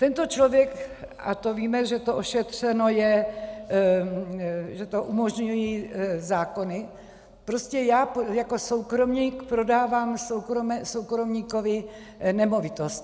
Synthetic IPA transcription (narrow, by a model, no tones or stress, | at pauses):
t̪ɛnt̪o̞t͡ʃlo̞vjɛkʔa̰t̪oviːmɛʒɛt̪oʔoʃɛt̪r̝̥ɛno̞jɛ | ʒɛt̪o̞ʔumo̞ʒɲujiːzaːko̞nɪ | pɾoscɛjaːpjako̞so̞wkɾo̞mɲiːkpɾo̞daːvaːmsowkɾomɛsowkɾomɲiːkovɪ | nɛmo̞vɪt̪ost̪